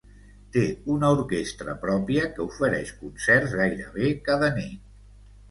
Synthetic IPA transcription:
t̪eunəuɾkest̪ɾə̰pɾɔpiəkəufəɾɛʃkunsɛrzɣajɾəβ̞ekaðənit̪

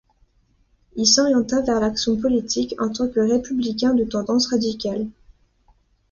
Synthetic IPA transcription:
ilsɔʁjɑ̃t̪avɛʁlaksjɔ̃p̬ɔlit̪ikɑ̰̃t̪ɑ̃kəʁepyblik̬ʲɛ̃d̪ət̪ɑ̃d̪ɑ̃sʁad̪ikʲal

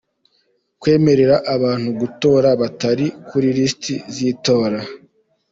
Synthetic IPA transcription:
kwe̞ːme̞ɾe̞ɾaʔaβaːn̥huɡuto̞ːɾaβataɾikʰuɾiɾistiziːto̞ːɾa

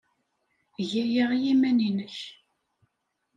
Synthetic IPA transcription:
ʝæjəʁjimæninəç

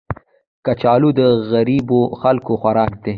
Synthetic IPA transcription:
kat͡ʃɑːlud̪əɣaɾiboxalkoxwaɾɑːkd̪e

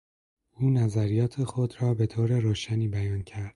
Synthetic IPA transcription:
uːnæzæɾijɒːt̪ʰe̞xod̪ɾɒːbe̞t̪ʰoːɾeɾoːʃæniːbæjɒːncʰæɾd̪̥

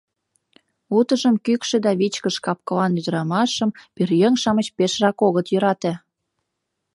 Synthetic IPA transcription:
ut̪əʒəmkykʃĕd̪ɑβit͡ɕkəʃkɑp̚kə̆lɑnyd̪əɾɑmɑʃəmpirjəŋʃɑmət͡ɕpeʃrɑkoɣət̪jøɾɑt̪ĕ

